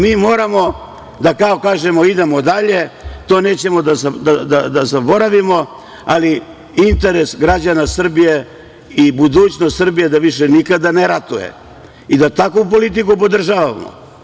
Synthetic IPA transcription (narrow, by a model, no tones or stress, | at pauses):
miːmo̞ːɾamo̞ | d̪akao̞kaːʒe̞mo̞id̪e̞mo̞d̪aʎe̞t̪o̞ːne̞ːt͡ɕe̞mo̞d̪azad̪ad̪ad̪azabo̞ɾaʋimo̞ | ali | int̪e̞ɾe̞sɡɾad͡ʑanasr̩bije̞ | ibud̪uːt͡ɕnost̪srbije̞d̪aʋiʃe̞nikad̪aneɾat̪ujḛ | id̪at̪akup̬o̞lit̪̬ikupo̞d̪r̩ʒaːʋʋa̰mo̰